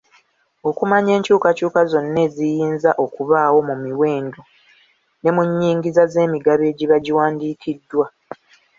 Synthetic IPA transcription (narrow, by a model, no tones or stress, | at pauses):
o̞kumaɲe̞ːɲcuːkacuːkazo̞nːe̞zijiːnzaʔo̞kuβaːwo̞mumiwe̞ːndo | ne̞muɲːiːŋɡizaze̞ːmiɡaβe̞ːɟiβaɟiwaːndiːkʰidːwa